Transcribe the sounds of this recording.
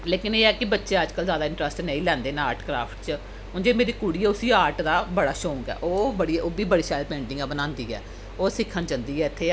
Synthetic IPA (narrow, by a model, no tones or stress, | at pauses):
leːkɪneːɛːkɪbətːʃeːəd͡ʒkəlzaːd̪aːɪ̃ɳʈɾəsʈneĩːlɛ̃ːnd̪eːnaaːɾʈkɾa̰ːpʰʈt͡ʃə | ɦʊ̃nd͡ʒeːmeːɾiːkuːɽiːɛːʊsiːaːɾʈd̪aːbəɽaːʃõːŋkɛ̰ːʔoːbəɽioːbiːbəɽiːʃaːlpẽːɳʈɪ̃ŋɡɛːbənãːnd̪iːɛ̰ː | oːsɪkʰːənt͡ʃənd̪iːɛːɪt̪ʰːeː